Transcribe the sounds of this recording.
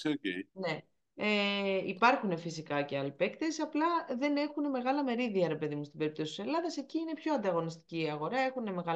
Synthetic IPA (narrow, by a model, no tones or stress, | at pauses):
seocejne̞ | eipɐɾxune̞fisikɐce̞ɐlipe̞kt̪e̞sɐplɐðe̞ne̞xune̞me̞ɣɐlɐme̞ɾiðiɐɾe̞pe̞ðimunst̪ibe̞ɾip̚t̪osit̪ise̞lɐðɐse̞ciine̞pço̞ɐnd̪ɐɣo̞nist̪i̥ciːɐɣo̞ɾɐe̞xune̞me̞ɣɐ